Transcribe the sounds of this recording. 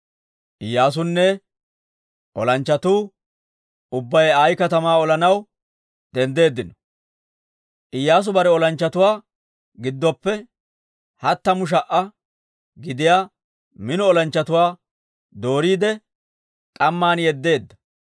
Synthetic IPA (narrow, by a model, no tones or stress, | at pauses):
ʔɪjːaːs̬ʊnːɛ | ʔɔlɐnt͡ʃːɐt̪uː | ʊbːɐjaːjkɐt̪ɐmaːɔlɐnɐw | d̪̥ɛnd̪e̞ːd̪ːɪnɔ̥ | ʔɪjːaːs̬ʊbɐɾɛɔlɐnt͡ʃːɐt̪ʊwaː | ɡɪd̪ːɔpːɛ | hɐt̪ːɐmʊʃ̬ɐʔːɐ | ɡɪd̪ɪjaː | mɪnɔɔlɐnt͡ʃːɐt̪ʊwaː | d̪o̞ːɾiːd̪ɛ | k̪ʼɐmːaːnjɛd̪ːe̞ːd̪ːɐ̥